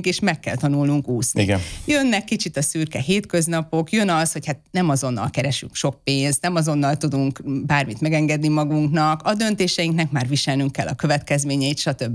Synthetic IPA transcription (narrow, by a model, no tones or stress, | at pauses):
ŋkeːʃmɛkːɛ̰lt̪ɒnulnuŋkuːsniɡɛjønːɛkːit͡ʃit̪ɒsyrkɛɦeːt̪kø̞znɒpo̞kjø̞nɒsho̞chat̪̚nɛmɒzo̞nːɒ̰lkɛɾɛʃyŋkʃo̞k̚peːnst̪nɛmɒzo̞nːɒlt̪ud̪uŋkbaːrmit̪mɛɡɛŋɡɛd̪nimɒɡuŋknɒkɒd̪ø̞nt̪eːʃɛjiŋknɛkmaːrʋiʃɛlnyŋkːɛlːɒkø̞vɛt̪kɛzmeːɲɛjit̪ʃɒt̪ø̞bːi